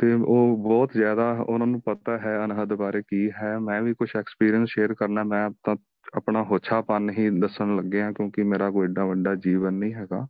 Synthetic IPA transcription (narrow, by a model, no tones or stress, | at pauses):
t̪eːoːbɔːt̪zjaːd̪aːʊ̰nãːnũːpət̪aːɦɛːənɦəd̪baːɾeːkiːɦɛːmɛ̃ːʋiːkʊt͡ʃʰɛːkspiːɾijənsʃeːɾkəɾnaːɦmɛ̃ːt̪ã | əpɳaːɦoːt͡ʃʰaːpənɦiːd̪əsəɳləɡːeːãːkjõːkɪmeːɾaːkoːɪɖaːʋəɖaːd͡ʒiːʋənːĩːɦɛːɡaː